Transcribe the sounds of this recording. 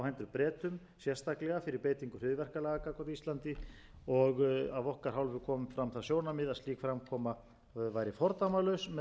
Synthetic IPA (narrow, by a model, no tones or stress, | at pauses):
whɛjnt̪ʏɾpɾɛːt̪ʏm | sjɛrst̪aklɛɣafɪɾɪɾpeːjt̪iŋkʏr̥ʏðvɛr̥kalɛɣakakɔɾt̪ist̪lant̪ɪ | ɔɣavɔhkaɾ̥ɦawlvʏkʰɔːmʏmfɾamθasjoːwnamɪðaðsiːkfɾamkʰɔːma | vajɾɪfɔɾt̪amalœɥsmɛ